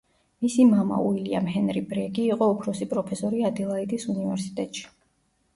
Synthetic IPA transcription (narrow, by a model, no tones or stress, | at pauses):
misimama̰uilia̰mɦɛnɾibɾɛɡiːqʼɔɔpʰɾɔsipʼɾɔpʰɛsɔɾiad̪ilˠaid̪isunivɛɾsi̥t̪ʼɛt̪ʼʃi̥